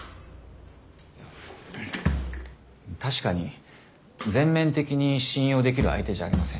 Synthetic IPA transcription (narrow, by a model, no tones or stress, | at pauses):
ja | t̪aɕi̥kaɲ̟i | d͡zẽ̞mːẽ̞nt̪e̞kʲiɲ̟iɕĩɰ̃jo̞ːd̪e̞k̬ʲiɾɯa̰it̪e̞ʑa̰ːɾʲimasẽ̞